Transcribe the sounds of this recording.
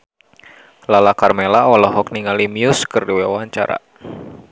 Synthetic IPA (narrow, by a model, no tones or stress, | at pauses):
lalakarmelaɔlɔɦɔk̚niŋalimiʊskɨrdiwewaɲt͡ʃa̰ɾa̰